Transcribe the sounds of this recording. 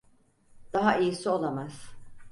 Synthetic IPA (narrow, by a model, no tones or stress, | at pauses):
d̪̥aɦaʔijisio̞lˠamaz̥